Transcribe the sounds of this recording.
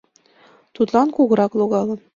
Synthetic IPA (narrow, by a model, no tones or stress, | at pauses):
t̪ut̪lˠɑnkuɣɤ̆ɾɑklˠoɡɑlˠɤ̆n